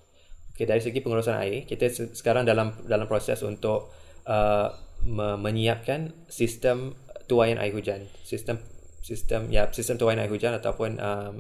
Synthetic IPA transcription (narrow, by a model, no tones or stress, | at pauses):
okedaɾis̬əɡipəŋuɾusanʔa̰ikit̪əssə̥kaɾaŋdalamdalampɾosɛ̰sṵnt̪ʊʔʔə | mə̃mə̃ɲiap̚kan | sist̪əmt̪uajanʔa̰iɦud͡ʒansist̪əm | sist̪əmjasist̪əmt̪uajanaiɦud͡ʒanat̪awpʊnʔəm